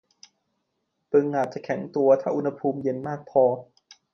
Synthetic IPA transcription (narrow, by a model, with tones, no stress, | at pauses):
t̪ɯ˧ŋʔaː˨˩t̪̚t͡ɕa˨˩kʰɛ˩˦ŋt̪u˧ɐt̪ʰaː˥˩ʔu˧nha˧pʰuː˧mje˧nmaː˥˩k̚pʰɔː˧